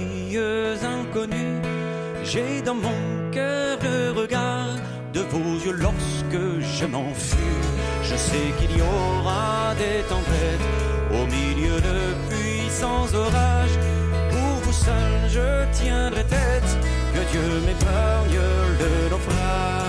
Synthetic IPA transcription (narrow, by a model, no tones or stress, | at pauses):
jøzɛ̃kɔny | ʒed̪ɑ̃mɔ̃ | kœʁləʁəɡaʁ | d̪əvozjølɔʁsəkəʒəmɑ̃ | sy | ʒəsɛkiliɔʁad̪et̪ɑ̃pɛt̪ | omiljød̪ə | pɥi | sɑ̃zɔʁaʒ | puʁvusœlʒət̪jɛ̃d̪ʁɛt̪ɛt̪ | kəd̪jø | mɛpanjə | də | lɔfʁa